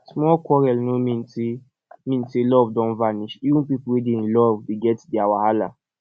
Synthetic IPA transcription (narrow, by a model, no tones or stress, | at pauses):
smɔlkɔɾɛlnomĩnti | mĩntilɔvdɔ̃nvaniʃiwũnpipuwidĩnlɔvwiɡɛtdiawahala̰